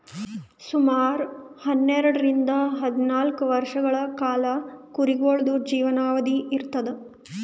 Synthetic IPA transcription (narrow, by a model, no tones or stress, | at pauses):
sumaːɾuhɐnːɛɾɐɽɐɾind̪ɐɦɐd̪inaːlkuʋɐɾʂɐɡɐɭɐkaːlɐkuɾiɡoɭɐd̪ud͡ʒiːʋɐnaːʋɐd̪iʔiɾt̪ɐd̪e